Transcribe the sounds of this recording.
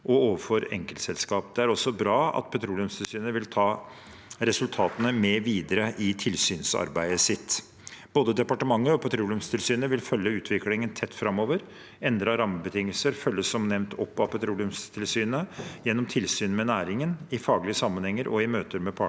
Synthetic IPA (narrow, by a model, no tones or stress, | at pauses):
ʔɔoːʋəfɔɾɛ̰ŋkəlt̪sɛlskɑːpd̪ɛæɾɔsːɔbɾɑːɑ̰t̪̚pʰɛt̪ʰɾuːlʉmst̪ʰɪlsyːnəʋɪlt̪ʰɑː | ɾɛsʉlt̪ʰɑːt̪ənəmeʋiːd̪əɾəʔɪt̪ʰɪlsyːnsɑ̰ɾbæɪəsɪt̪ː | b̥oːd̪əd̪ɛpɑʈəmɑŋːəɔpʰɛt̪ʰɾuːlʉmst̪ʰɪlsyːnəʋɪlfœlːəʉːt̪ʰʋɪklɪŋənt̪ʰɛt̪ːfɾɑmːoːʋəɾ | ɛnd̪ɾɑɾɑməbət̪ʰɪŋːəlsəɾfœlːəsːɔmnɛʋnt̪ʰɔpːɑpʰɛt̪ʰɾuːlɪʉmst̪ʰɪlsyːnəjɛnːɔmt̪ʰɪlsyːnmɛnæːɾɪŋənɪfɑːɡlɪəsɑmːənhɛŋːəɾʔɔɪmøːt̪əɾmɛpʰɑ